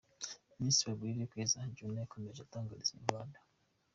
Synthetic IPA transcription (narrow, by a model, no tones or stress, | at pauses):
misiweɡwiɾikwizaɲd͡ʒunakomeʒataːŋɡuɾiziḭɡwada